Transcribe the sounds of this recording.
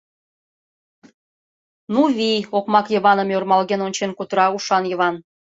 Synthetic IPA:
nuβijokmɑkjəβɑnəmørmɑlɣenonʲt͡ɕenkut̪ɾɑuʃɑnjɤ̆βɑn

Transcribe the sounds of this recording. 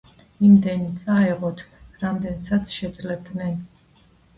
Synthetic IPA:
imd̪ɛnit̪sʼaɛʁɔt̪ʰɾamd̪ɛnsat̪sʰʃɛd̪zʼlɛbd̪nɛn

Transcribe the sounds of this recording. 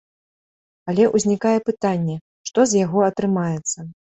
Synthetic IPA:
ɐlʲɛʔuzʲnʲikajɛpɨt̪anʲːɛ | ʂt̪ɔzʲjaɣɔɐt̪ɾɨmajɛt̪sːɐ

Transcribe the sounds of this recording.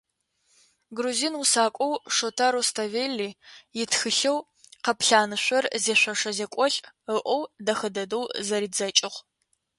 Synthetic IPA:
ɡruziːnwusaːkʷʼɔwʂotʰaɾostʰɐveːlːiːjɪtxɨɬɐw | qɐpɬaːnɨɕʷɐrzeːɕʷɐʂɐzekʷʼɔɬʼ | əʔʷɔwdɐxɐdɐdowzɐɾiːzɐt͡ʃʼɪʁ

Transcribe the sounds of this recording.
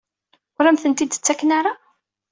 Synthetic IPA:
ʊɾæmθənt̪id̪t͡sːækːnaɾa

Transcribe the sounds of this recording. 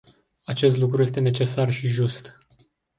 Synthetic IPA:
at͡ʃe̞st̪lukɾuje̞st̪e̞ne̞t͡ʃe̞sarʃiʒust̪

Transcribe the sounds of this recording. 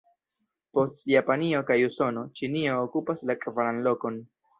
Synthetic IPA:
po̞stjapanio̞kajuso̞no̞t͡ʃinio̞ːkupaslakʼvaɾanlo̞ko̞n

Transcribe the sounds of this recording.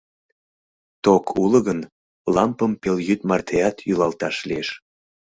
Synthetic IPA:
t̪okʰuləɣən | lɑmpəmpeljyt̪mɑrt̪ʰeɑt̪jylɑlt̪ɑʃlieʃ

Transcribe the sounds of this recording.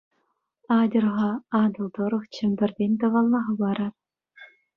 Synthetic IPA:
ɑd̪ʲɤ̆rʁɑɑd̪ɤ̆lˠd̪ŏɾɤ̆χt͡ɕʰɘ̆mbʲɘ̆rd̪ʲenʲt̪ɤ̆ʋɑlˠːɑʁɤ̆bɑɾɑt

